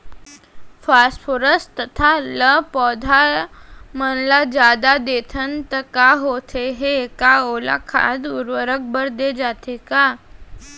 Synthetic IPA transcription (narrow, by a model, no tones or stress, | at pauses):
fasfoɾəst̪ət̪ʰaləpɔd̪ʱa | mənlad͡ʒad̪ad̪eːt̪ʰənt̪əkaɦot̪ʰeɦekaoːla̰kʰa̰d̪uɾʋəɾək̚bəɾd̪ed͡ʒat̪eka